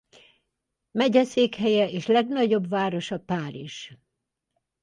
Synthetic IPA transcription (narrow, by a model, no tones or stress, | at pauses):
mɛɟɛseːkhɛjɛeːʃlɛɡnɒɟo̞bvaːɾo̞ʃɒpaːɾiʒ̥